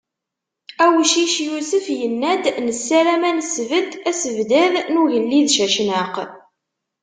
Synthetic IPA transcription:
æwʃiʃjusəfjənːæd̪nəsːælæmænsvət̪ːæsəvd̪æðnuʝəlːiðʃæʃnəq

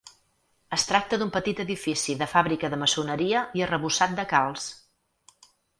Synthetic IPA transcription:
əst̪ɾak̚t̪əðumpət̪it̪əðifisiðəfaβɾikəðəməsunəɾiəiərəβusat̪̚d̪əkalˠs

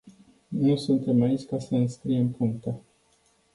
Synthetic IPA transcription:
nusunt̪e̞mait͡ʃʲkasəɨnskɾije̞mpuŋk̚t̪ə

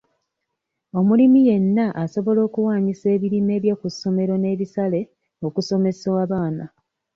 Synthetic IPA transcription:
o̞mulimije̞nːaʔaso̞βo̞lo̞ːkuwaːɲise̞ːβiɾime̞ːβjakuso̞me̞ɾo̞ne̞ːβisale̞ | o̞kuso̞me̞soaβaːna

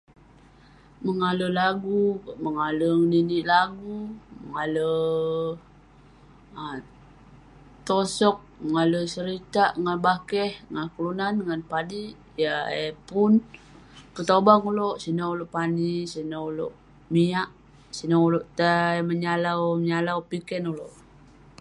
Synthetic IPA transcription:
məŋaləlaɡuməŋaləŋniniʔlaɡuməŋalə | t̪osɔk̚məŋaləsəɾit̪aʔŋanbakɛhŋakulunanŋanpadiʔ | jaḛpun | pət̪obaŋuloʔsinauloʔpanisinaulo̰ʔ | miaʔ | sinauloʔt̪aməɲalawməɲalawpikɛnuloʔ

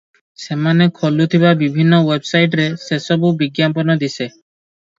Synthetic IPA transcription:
semanekʰolut̪ʰibabibʱinːɔwebsajʈ̬ɾesesɔbubiɡjampɔnɔd̪ise

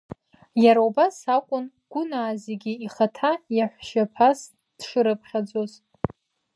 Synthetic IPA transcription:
jaɾaubasakʷʼʊn | ɡ̥ʷʊnaːzeɡʲiiχatʰajaħʷʃapʰas | d̥ʂɨɾɨpʰχʲad͡zo̞z

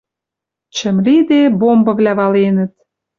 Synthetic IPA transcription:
t͡ɕə̆mlid̪ebombɤ̆vlæβɑlenə̆t̪̚

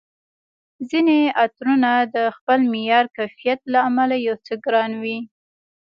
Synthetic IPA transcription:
zineat̪ɾunad̪əxpəlmɪjɑɾkajfijat̪laːmalajawt͡səɡɾɑnwi

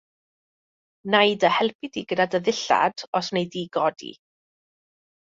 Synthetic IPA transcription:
najdəhɛlˠpʰɪdiɡədadəðɪɬa̰d̥ɔsnejdiɡɔdḭ

